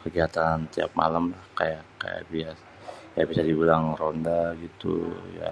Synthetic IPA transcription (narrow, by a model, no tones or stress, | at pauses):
kəɡiat̪ant̪ia̰p̚ma̰lamlahkajaka̰ja̰ʔbias | jabisadibulaŋrondaɡit̪ṵja̰